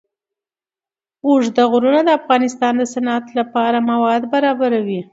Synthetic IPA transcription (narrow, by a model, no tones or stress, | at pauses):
uʐd̪aɣɾunad̪əafɣɑnɪst̪ɑnd̪əsanat̪lapɑɾamawɑd̪baɾɑbaɾawi